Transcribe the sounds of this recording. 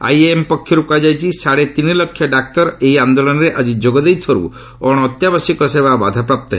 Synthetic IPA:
a̰jeempɔkʰːjɔɾukad͡ʒajt͡ʃʰisaɽet̪inilɔkʰːjɔɖakt̪ɔɾejand̪olɔnɔɾeʔad͡ʒid͡ʒoɡɔd̪ejt̪ʰɔɾṵ | ɔɽ̃ːt̪jabasikɔsebʱaba̰d̪ʱapɾap̚t̪ɔɦe

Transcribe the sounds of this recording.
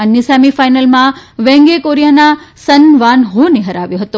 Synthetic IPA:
nɪsaːmifaːɪnəlmãʋɛ̃ːŋɡekoːɾijanasɐnʋaːnɦoneɦɐɾaːʋjoɦət̪o

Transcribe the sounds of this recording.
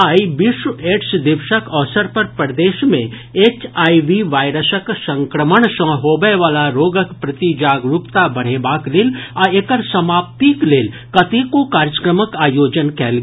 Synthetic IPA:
aːiʋɪʃwəeːʈsd̪ɪʋʃəkɔːsəɾpɐɾpəɾd̪eːʃmẽ | eːt͡ʃaːiʋiʋaːɪɾəsəksɐ̃ŋkɾəməɳ̃sə̃ːɦoːbəjʋaːlaɾoːɡəkpɾɐt̪id͡ʒaːɡɾupt̪abɐɽ̤eːbaːkleːlaekəɾsɐmaːp̚t̪ikleːl | kɐt̪ekokaːɾjəkɾəməkaːjoːd͡ʒənkɛːlɡ

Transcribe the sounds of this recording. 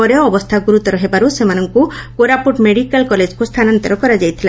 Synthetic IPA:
ɔɾjɔːbɔst̪ʰaɡuɾut̪ɔɾɔɦebaɾusemanɔŋkukoɾapuʈmeɽikalkɔled͡ʒkust̪ʰanɔnt̪ɔɾɔkɔɾad͡ʒajt̪ʰila

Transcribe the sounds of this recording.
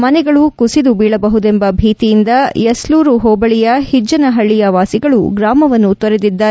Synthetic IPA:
mɐnɛɡɐɭukusid̪ubiːɭɐbɐɦud̪embɐbʱiːt̪ijind̪ɐjɐsluːɾuɦɔːbɐɭijɐhid͡ʒːɐnɐɦɐɭːijɐʋaːsiɡɐɭuɡɾaːmɐʋɐnːut̪ʋɐɾed̪id̪ːaː

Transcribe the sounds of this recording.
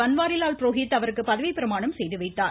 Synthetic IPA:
ɐnʋaːɾɪlaːlpɪɾoːɦɪt̪ːɐʋɐɾɯkːɯpɐðɐʋɪpɪɾɐmaːɳɐmsɛjðɯʋɐɪt̪ːaːɾ

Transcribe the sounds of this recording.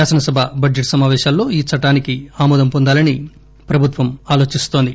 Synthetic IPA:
aːsɐnɐsɐbʱɐbʱɐd͡ʒeʈsɐmaːʋɛːʃaːllo̞ːiːt͡ʃɐʈːaːnikiaːmɔːd̪ɐmpɔnd̪aːlɐni | pɾɐbʱut̪ʋɐmaːlo̞ːt͡ʃist̪oːnd̪i

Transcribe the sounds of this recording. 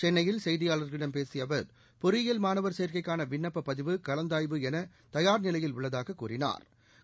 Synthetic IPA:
t͡ʃɛnːɐjɪlsɐjðɪjaːlɐɾɣɐɪɽɐmpeːsɪjɐʋɐɾ | pɔɾɪɪjɐlmaːnɐʋɐɾseːɾkɐɪkːaːnɐʋɪɳːɐpːɐpːɐðɪʋɯkɐlɐnd̪aːjʋɯɛnɐ | t̪ɐjaːɾnɪlɐjɪlʊɭːɐðaːɣɐkːuːrɪna̰ːɾ

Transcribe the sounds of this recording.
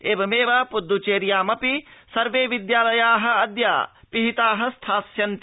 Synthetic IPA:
eːbɐmeːʋaːpud̪ːut͡ʃeːɾjaːmɐpisɐɾʋeːʋid̪jaːlɐjaːɦɐ̆ɐd̪ja̰ːpiɦit̪aːɦɐst̪ʰaːsjɐnt̪

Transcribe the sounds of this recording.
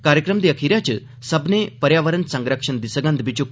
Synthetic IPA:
kaɾjəkɾəmd̪eəkʰiɾjat͡ɕə | səbnepəɾjaʋəɾənsə̃ŋɡɾəkʂənd̪isəɡə̃nd̪bit͡ɕuk

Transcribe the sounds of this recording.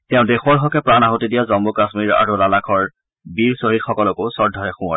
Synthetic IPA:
tɛʊ̃dexɔɹɦɔkɛpɹanaɦɔtidijazɔmbukasmiɹa̰ɹulalakʰɔɹ | biɹsoɦitxɔkɔlɔkowsɔɹdʱɔɹɛxũɔ

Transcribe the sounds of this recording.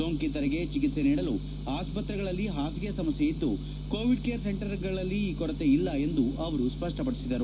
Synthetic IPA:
oːŋkit̪ɐɾɛɡe̞t͡ʃikit̪se̞niːɽɐlu | aːspɐt̪ɾɛɡɐɭɐlːiɦaːs̬ɡɐjɐsɐmɐsjejid̪ːu | koːʋiɖkeːɐɾse̞ɳʈɐɾɡɐɭɐlːiːkɔɾɐt̪e̞ilːɐe̞nd̪uʔɐʋɐɾuspɐʂʈɐpɐɽisid̪ɐɾu

